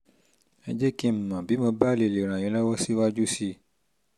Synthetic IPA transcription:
e˧d͡ʒe˦ki˦m̩˨mã˨bi˨˦mõ˧ba˦˨le˨le˨ɾ̃ã˨j̃ĩ˧˦lɔ˦wɔ˦si˦wa˦d͡ʒu˦si˦

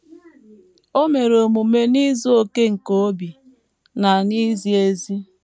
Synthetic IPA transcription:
o˦me˨ɾo˨mu˨me˦ni˦zo˦o˦ke˦ŋ̩˨ko˦o˦bi˨ | na˨ni˦zi˦e˦zi˦

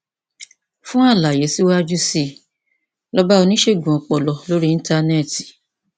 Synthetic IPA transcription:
fũ˦a˦˨la˨je˨˦si˦wa˦d͡ʒu˦si˦˨ | lɔ˦ba˦o˧nĩ˦ʃe˦˨ɡũ˨ɔ˨k͡pɔ˨lɔ˨lo˦ɾi˦ĩ˧˦ta˧nɛ˦˨ti̥˨

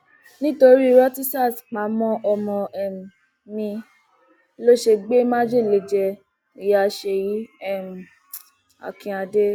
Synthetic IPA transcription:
nĩ˦to˧ɾi˦˧˦ɾa˦ti˦sa˦˨sk͡pã˨˦mɔ̃˦ʔɔ˧mɔ̃˧ɛ˨m˨ | mĩ˧˦ | lo˦ʃe˧ɡ͡be˦mã˦d͡ʒe˦˨le˧˨d͡ʒɛ˧ | i˨ja˧˨˧ʃe˧ji˨˦ɛ˦˨m˨ | a̰˨kĩ˧a˧de˦

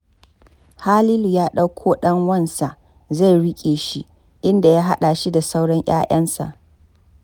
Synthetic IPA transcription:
haː˦liː˦lu˨jaː˦ɗɐ˦wkʷʰoː˦ɗɐ˦ŋwɐ˦˨nsa˨ʔ | za˦˨jɽɪ˦kʲʼeː˨ʃi˦ | ʔɪ˦nda˨jaː˦ɦa˦ɗa˨ʃi˦da˨sa˦wɽɔ˦ɲʔa̰ː˦jɐ˦nsa̰˨ʔ

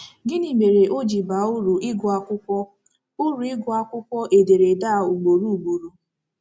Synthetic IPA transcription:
ɡɪ˦ni˨me˨ɾe˨ʔo˦d͡ʒi˨ba˨u˦ɾu˨ʔɪ˦ɡʊ˨a˨kʷʊ˦kʷɔ˦ | ʊ˦ɾu˨ɪ˦ɡʊ˨a˦kʷʊ˦kʷɔ˦ʔe˨de˨ɾe˨da˦˨u˨ɡ͡bo˨ɾu˦u˨ɡ͡bo˨ɾu˨

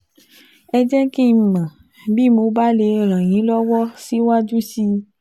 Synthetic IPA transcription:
ɛ˧d͡ʒɛ˦kĩ˦˧˨mã˨ | bi˦˨mo˨˧˦ba˦le˧ɾ̃ã˨j̃ĩ˨˦lɔ˦wɔ˦si˦wa˦dũ˦si˧

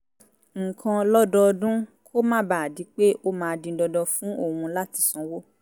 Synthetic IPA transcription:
ŋ̩˨kʰã˧lɔ˦dɔ˧dũ˦kʰo˦mãː˦˨ba˨a˨di˨˦k͡pe˦o˦mãː˨˧dĩ˧˦dɔ˧dɔ˧fũ˦o˦˨hũ˧la˦ti˧sɔ̃˨˧wo˦

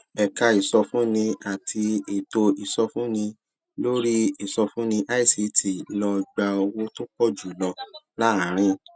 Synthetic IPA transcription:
ɛ˨ka˧i˨sɔ˧fũ˦nĩ˧a˨tʰi˧e˨to˧i˨sɔ˧fũ˦nĩ˧ | lo˦ɾi˦i˨sɔ˧fũ˦nĩ˧ʔa˦i˦˨si˧ti˨lɔ˧ɡ͡ba˧o˧wo˧to˦k͡pɔ˦˨d͡ʒu˨lɔ˧˨la˦a˨˦ɾ̃ĩ˧˦

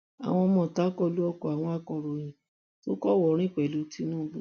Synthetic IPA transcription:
a̰˨w̃ɔ̃˧mɔ̃˦˨ta˨˦kɔ˧lu˦ɔ˧kɔ˨a˨w̃ɔ̃˧a˧kɔ˧˨ɾo˨j̃ĩ˨ | to˦kɔ˦wɔ˨˦ɾ̃ĩ˦k͡pɛ˨˦lu˨˧˦ti˦nũ˦bo˦˨

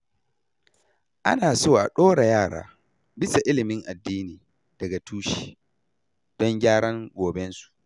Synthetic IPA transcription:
ʔa̰˦naː˨soː˦ʔa˨ɗoː˦ɽa˨jaː˦˨ɽa̰ː˦ | bɪ˦sa˨ʔɪ˦lɪ˨mɪ˦ŋʔa˨dːiː˦niː˨ | d̥ɐ˨ɡa˨tʰuː˦ʃi̥ː˨ | d̥ɔ˦ŋɡʲaː˦ɽɐ˦ŋɡʷoː˨bɛ˦nsu̥˨ʔ

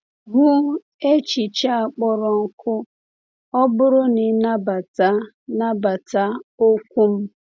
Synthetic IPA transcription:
ɡʊ˦ | e˦t͡ʃi˨t͡ʃa˦a˨k͡pɔ˦ɾɔ˨ŋ̩˨kʊ˦ | ɔ˦bʊ˦ɾʊ˦nɪ˨˦na˦ba˨ta˦ | na˦ba˨ta˦o˦kʷu˦m̩˦

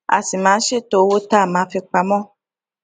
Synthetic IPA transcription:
a̰˨si˨mãː˨˦ʃe˦˨to˨˧˦wo˦ta˦˨mãː˨˦fi˧k͡pa˧mɔ̃˦

